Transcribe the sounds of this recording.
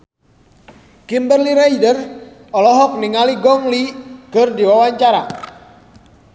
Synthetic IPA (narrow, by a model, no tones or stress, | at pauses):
kimbərliɾajdər | ɔlɔɦɔk̚niŋaliɡɔŋlikərdiwawaɲt͡ʃaɾa